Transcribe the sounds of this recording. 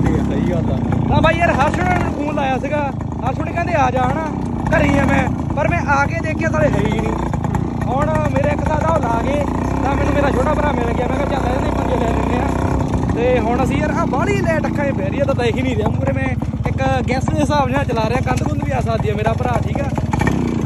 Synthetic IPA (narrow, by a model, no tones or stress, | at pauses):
iːsəiːɡaːt̪a̰ːt̪ãːbʱaːiːəɾɦəɾsʊɽanmɛñːkʰũːnlaːjaːs̬iːɡaː | ɦəɾsʊɽ̃eːkɛ̃ːd̪eːaːd͡ʒaːɳaː | kəɾiːɦãːmɛ̃ː | pəɾmɛ̃ːʔaːkeːd̪eːkʰjaːt̪aːleːɦəinĩː | ɦoːɳmeːɾeːɪksaːd̪aːoːlaːɡeː | t̪ãːmɛːnũːmeːɾaːt͡ʃʰoːʈaːpəɾaːmeləɡjaːmɛ̃ːket͡ʃaːlaːãːẽːpənd͡ʒeːlɛːd̪ɪnd̪eːãː | t̪eːɦʊːɳas̬iːəɾãːbaːliːlɛːʈəkʰːãːẽːpeːɾɪjãːt̪aːd̪aiːkʰiːnĩːd̪jãːmuːɾeːmɛ̃ː | ɪkɡɛːsɦɪsaːbd͡ʒaãːt͡ʃəlaːɾeːaːkənd̪kʊnʋiːaːsãːd̪ɪjaːmeːɾaːpəɾaːʈʰiːkɛː